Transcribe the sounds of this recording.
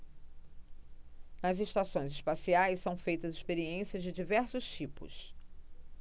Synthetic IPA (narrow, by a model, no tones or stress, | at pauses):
nɐzeʃt̪asõj̃zɪʃpasiajssɐ̃w̃fejt̪ɐzɪspeɾiẽsiɐzd͡ʒɪd͡ʒivɛɾsʊʃt͡ʃipʊ̰s